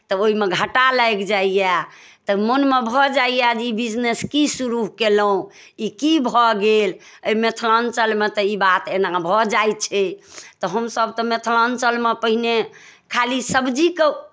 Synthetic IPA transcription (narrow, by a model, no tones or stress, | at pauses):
t̪ɔoimeɡʱəʈaləeɡd͡ʒaija | t̪ɔmənmebʱɔd͡ʒaijad͡ʒibid͡ʒneskisuɾuɦkeləũ | ikibʱɔɡel | əimet̪ʰlant͡ʃəlmet̪ɔibat̪enabʱɔd͡ʒajt͡ʃʰɛt̪ɔɦəmsəb̚t̪ɔmet̪ʰlant͡ʃəlmepəɦine | kʰalisəbd͡ʒike